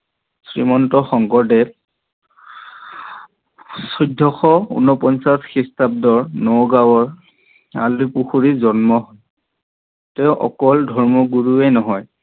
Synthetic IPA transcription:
sɹimɔntɔxɔŋkɔɹdɛ | sudʱːɔxɔṵnɔpɔnsasxistab̚dɔɹnowɡawɔɹ | a̰lupuxuɹizɔnmɔɦɔj | tɛʊʔɔ̰kɔldʱɔɹmɔɡuɹuɛnɔɦɔj

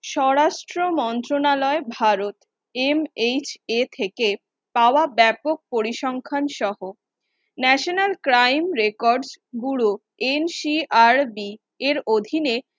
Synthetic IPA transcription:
ʃɔɾaʃʈɾomɔnt̪ɾonalɔebʱaɾot̪ | emet͡ɕet̪ʰeke | paoabɛpok̚poɾiʃɔŋkʰanʃɔɦo | nɛʃonalkɾajmɾekɔɾɖsɡuɭu | enʃiʔaɾbi | eɾod̪ʱine

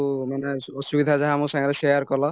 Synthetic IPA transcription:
maneɔsubid̪ʱazaɦamusãŋɾesejaɾkɔlɔ

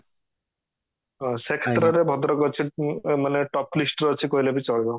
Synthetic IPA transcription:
ɦɔ̃sekʰet̪ɾɔɾebʱɔd̪ɾɔɡɔt͡ʃʰimaneʈɔplisʈɾːt͡ʃʰikoɦilebit͡ʃɔlbɔ

